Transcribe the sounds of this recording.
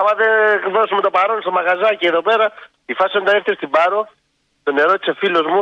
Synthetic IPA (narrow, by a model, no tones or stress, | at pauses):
ɐmɐðevosumut̪opaɾonst̪omɐɣazɐceːðopeɾɐ | ifɐsond̪ɐeɾθist̪ibɐɾo | t̪oneɾot̪isefilozmu